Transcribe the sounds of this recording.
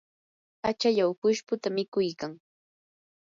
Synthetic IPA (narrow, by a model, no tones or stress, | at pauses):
at͡ʃaʎawpʊʃpʊt̪amɪkʊjkaŋ